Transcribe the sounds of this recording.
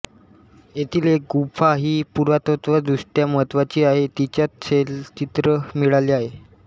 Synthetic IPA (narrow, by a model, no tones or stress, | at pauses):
et̪ʰilek̚ɡufʰaɦiːpuɾʋat̪ot̪ʋad̪usʈjamət̪ʋat͡ɕiːaɦet̪it͡ɕjat̪selt͡ɕit̪ɾəmiɭaliːaɦe